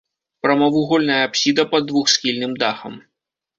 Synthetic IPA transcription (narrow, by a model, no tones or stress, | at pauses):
pɾɐmɐvuɣɔlʲnɐjɐapsʲid̪ɐpɐd̪ːvuxsxʲilʲnɨmd̪axɐ̰m